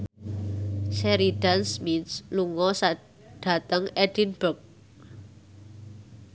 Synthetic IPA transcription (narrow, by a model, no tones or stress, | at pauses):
sɛɾidansmit̪sluŋɔsa | ɖ̥ä̤t̪əŋɛd̥inb̥ək̚